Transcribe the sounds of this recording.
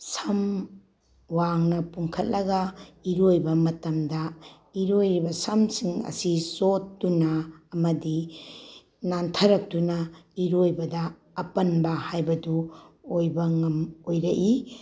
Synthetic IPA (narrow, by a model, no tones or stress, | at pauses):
sɐm | waŋnɐpuŋkʰɐt̚lɐɡɐiɾojbɐmɐtɐmdɐ | iɾojɾibɐsɐmsiŋɐ̰sisotːunɐːmɐdi | nantʰɐɾɐk̚tunɐiɾojbɐdɐː | pɐnbɐhajbɐduojbɐŋɐmojɾɐʔi